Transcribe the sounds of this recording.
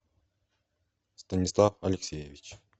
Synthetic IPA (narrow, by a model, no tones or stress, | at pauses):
st̪ənʲislˠɑfɐlʲeksʲejevʲit͡ʃ